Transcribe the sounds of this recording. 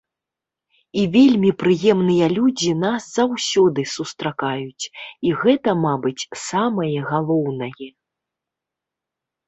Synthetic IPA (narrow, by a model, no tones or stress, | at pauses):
ivʲelʲmʲipɾɨjɛmnɨjɐlʲud͡zʲinasz̥awsʲɔd̪ɨsust̪ɾakajut͡sʲiɣɛt̪ɐmabɨt͡sʲsamɐjɐɣalˠɔwnɐjɛ